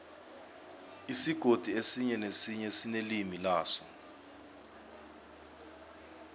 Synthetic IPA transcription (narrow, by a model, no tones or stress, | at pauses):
isiɡ̥ʱod̥ʱiesiɲɛnesiɲɛsinelimilaːsɔ